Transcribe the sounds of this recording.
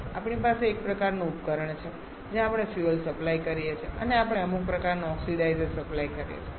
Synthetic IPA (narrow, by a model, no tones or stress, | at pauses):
apɳipaseːk̚pɾəkaɾnũupkəɾəɳt͡ʃʰe | d͡ʒẽapɽ̃efjuəlsəplaikəɾijet͡ʃʰeʔəneapəɳeəmuk̚pɾəkaɾnoɔksiɖajzezsəplajkəɾijḛt͡ʃʰe